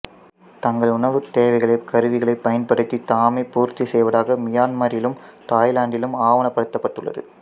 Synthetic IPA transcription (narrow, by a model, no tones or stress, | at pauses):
t̪ɐŋɡɐɭʊɳɐʋɯt̪eːʋɐɪɣɐɭɐɪkɐɾɯʋɪɣɐɭɐɪpːɐjɐnpɐɽɯt̪ːit̪aːmepuːɾt̪ːisɛjʋɐɽaːɣɐmɪjaːnmaːɾɪlɯmt̪aːjlaːɳɖɪlɯmaːʋɐnɐpːɐɽɯt̪ːɐpːɐʈːɯɭːɐ̰ðɯ̰